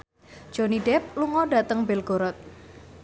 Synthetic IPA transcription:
d͡ʒ̥oniɖɛp̚luŋɔɖat̪əŋbɛlɡ̥oɾɔt̪̚

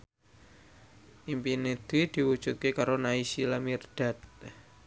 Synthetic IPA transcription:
ʔimpined̪̥id̪̥i̤wu̥ʒ̥ut̪̚kekaɾonaisilamird̪̥a̤t̪̚

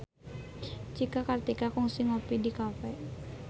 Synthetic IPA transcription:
t͡ʃikakart̪ikakɔŋsiŋɔpidikafɛ

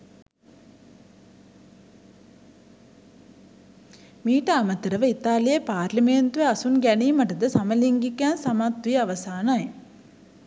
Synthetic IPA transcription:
miːʈɐːmɐt̪ːɐɾɐʋɐit̪ːaːlijɐpaːɾlɐmeːnt̪ʋiɐsunɡɐnimɐʈːɐd̪ɐsɐmɐliŋɡikːaːnsɐmat̪ʋiɐʋɐsaːnaːj

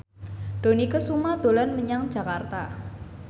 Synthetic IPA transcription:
ɖ̪̥o̤nikəsumad̪̥o̤lanməɲaŋd̥ʒ̥a̤kart̪a̰

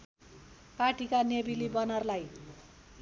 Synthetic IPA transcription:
paʈikanebilibʌnʌrlaj

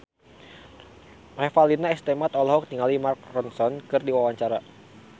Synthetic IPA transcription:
refalinaɛst̪emat̪ɔlɔɦɔk̚t̪iŋalimark̚rɔnsɔnkɨrdiwawaɲt͡ʃaɾa

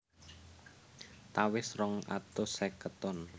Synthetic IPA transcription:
t̪awɪsrɔŋa̰t̪osɛkət̪ɔn

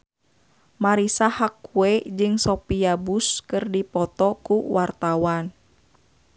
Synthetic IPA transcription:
maɾisahakːuɛd͡ʒɨŋsɔpiabuskɨrdipɔt̪ɔkuwart̪awan

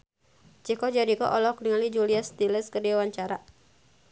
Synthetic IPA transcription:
t͡ʃikɔd͡ʒaɾikɔ̰ʔɔlɔkniŋalid͡ʒuliast̪ilɛskədiawaɲt͡ʃaɾa

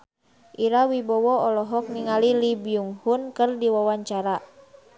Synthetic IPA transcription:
ʔiɾawibɔwɔɔlɔɦɔk̚niŋalilibiuŋhunkɨrdiwawaɲt͡ʃaɾa

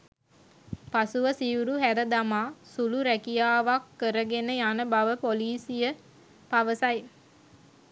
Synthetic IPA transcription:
pasuʋəsiuɾuhæɾəd̪amaːsuluɾækijaːʋakːəɾəɡenəjanəbaʋəpoliːsijə | paʋəsaj

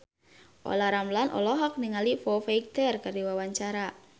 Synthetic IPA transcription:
ʔɔ̰laɾamlanʔɔ̰lɔɦak̚niŋalifɔfaik̚t̪ɛrkardiwawaɲt͡ʃaɾa

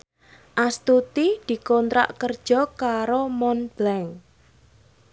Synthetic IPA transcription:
ʔast̪ut̪id̪̥i̤kɔnt̪ɾa̰ʔkərd̥ʒ̥ɔ̤kaɾomɔnb̥lɛŋ

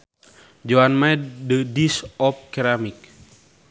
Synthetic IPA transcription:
d͡ʒoanmaɛdədisɔp̚kɛɾamik̚

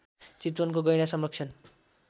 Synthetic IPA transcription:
t͡sit̪wʌnkoɡʌjɽ̃asʌmrʌkt͡sʰʌn

